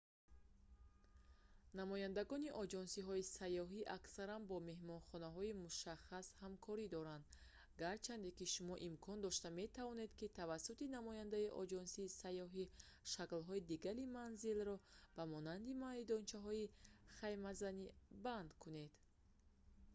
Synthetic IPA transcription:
namɔjand̪aɡɔniʔɔd͡ʒɔnsiɦɔisajːɔɦiʔaksaɾanbɔme̞ɦmɔnχɔnaɦɔimuʃaχashamkʰɔɾid̪ɔɾand̪ | ɡaɾt͡ʃʰand̪ekiʃumɔʔimkʰɔnd̪ɔʃt̪ame̞t̪ʰavɔne̞d̪kit̪ʰavasːut̪inamɔjand̪aiʔɔd͡ʒɔnsiːsajɔɦi | ʃaklɦɔid̪iɡaɾimanzilrɔb̥amɔnand̪imalid̪ɔnt͡ʃʰaɦɔiχajmazaniband̪kʰune̞d̪̥

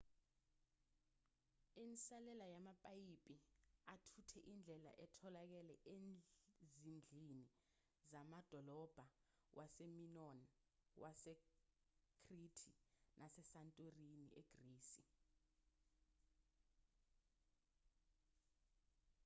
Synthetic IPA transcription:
insalɛlajamapʼajipʼiatʰutʰɛʔind͡ɮʱɛla̰ʔɛtʰɔlak̬ɛlɛʔenzind͡ɮʱini | zamad̥ʱɔlɔb̥ʱa | wʔaseminɔn | wʔasɛ | kʰritʰinʔasɛsantʼorinḭeɡ̥riːsi

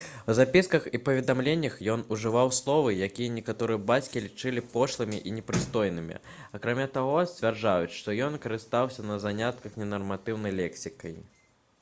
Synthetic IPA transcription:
wzapʲiskɐxipɐvʲɛd̪amlʲenʲːɐxjɔnuʐɨvawslˠɔvɨjakʲijɐnʲɛkat̪ɔɾɨjɐbat͡sʲkʲilʲit͡ʂɨlʲipɔʂlˠɨmʲiʔinʲɛpɾɨst̪ɔjnɨmʲḭɐkɾamʲat̪aɣɔsʲt͡sʲvʲɛrd͡ʐajut͡sʲʂt̪ɔjɔnkɐɾɨst̪awsʲɐnɐzanʲat̪kɐxnʲɛnɐrmat̪ɨwnɐjlʲɛksʲikɐj

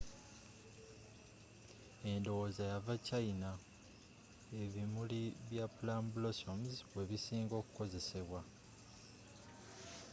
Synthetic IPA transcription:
e̞ndo̞wozajavacaina | e̞βimuliβjapulambulo̞somzwe̞βisiːŋɡo̞ːku̥ko̞ze̞se̞βwa

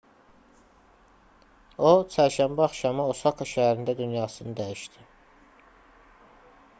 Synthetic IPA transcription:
ot͡ʃʰæɾʃæmbæɑχʃɑmɑosɑkʰɑʃæɦæɾind̪æd̪ynjɑːsɯnɯd̪æjiʃt̪i

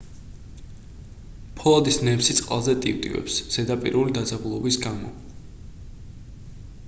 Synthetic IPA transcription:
pʰɔad̪isnɛmsit̪sʼqʼa̰lˠzɛt̪ʼḭvt̪ʼḭvɛ̰psz̥ɛd̪apʼḭɾulid̪ad̪zabulˠɔbisɡamɔ

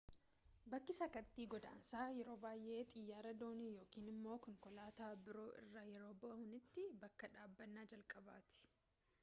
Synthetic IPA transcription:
bɐkːɪsɐkɐt̪ːiːɡɔd̪a̰ːnsaːjɛɾo̞ːbaːjʔe̞ːt̪ʼɪjːaːɾɐd̪o̞ːnijo̞ːkiːnɪmːo̞ːkʊŋkɔlaːt̪aːbɪɾo̞ːʔɪ̰rːaːjɛɾo̞ːbɔʔɐhʊnɪt̪ːɪbɐkːɐᶑaːbːɐnːaːd͡ʒɐlkʼɐba̰ːt̪ɪ̥

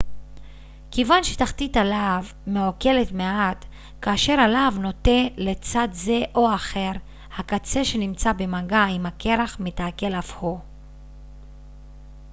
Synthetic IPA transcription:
kevanʃetaχt̪italav | meoke̞letmeat | kaːʃe̞ʁalavno̞tele̞t͡sadze̞ʔo̞aχe̞ʁ | hakat͡se̞ʃe̞nimt͡sabe̞maɡaimhake̞ʁaχmetaːke̞lafho

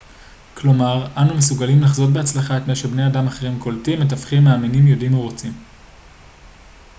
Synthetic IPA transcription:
klo̞maʁanumesuɡalimlaχzo̞dbehat͡slaχaetmeʃebnejadamaχeʁimko̞ltimet̬afχimːaːminimjodimuʁot͡sim

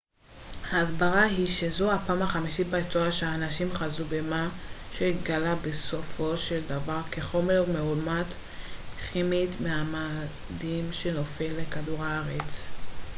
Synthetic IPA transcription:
haːzbaʁaɦiʃezo̞hapaːmaχamiʃibaitoaʃeaːnaʃimχazubemaʃeit̪ɡalabeso̞fo̞ʃe̞ld̪avaʁke̞χo̞me̞ʁmeulmat | χimit̪meama | dimʃe̞no̞filːekaduʁaaʁet͡s

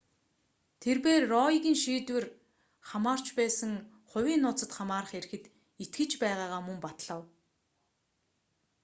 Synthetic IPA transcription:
t̪ʰerpeːrːɔiɣʲiːnʃiːt̪wɘ̆r | χamaːr̥t͡ɕpæːsə̆ŋ | χʊ̟wʲiːnːʊːt͡sə̆t̪χamaːrə̆χeɾɘ̆xɘ̆t̪ | it̪̚ɡɘ̆t͡ɕpæːʁaːʁaːmɵmpat̪ɮ̥ə̆w

